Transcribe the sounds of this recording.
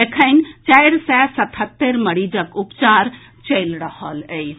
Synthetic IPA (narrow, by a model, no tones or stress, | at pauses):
ekʰəɪnt͡ʃajɾsɛsət̪ʰət̪ːeɾməɽid͡ʒəkupt͡ʃaɾ | t͡ʃəjlɾəhələj